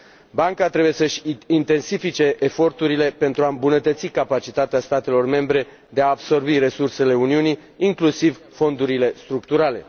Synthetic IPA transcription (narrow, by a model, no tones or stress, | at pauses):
baŋkat̪ɾebuje̞səʃʲint̪e̞nsifit͡ʃe̞ʔːfo̞rt̪uɾile̞pe̞nt̪ɾuaɨmbunət̪ət̪sikapat͡ʃit̪at̪east̪at̪e̞lo̞rme̞mbɾe̞ | d̪e̞aːbso̞rbiɾe̞surse̞le̞uniuni | iŋklusiv | fo̞nd̪uɾile̞st̪ɾuk̚t̪uɾale̞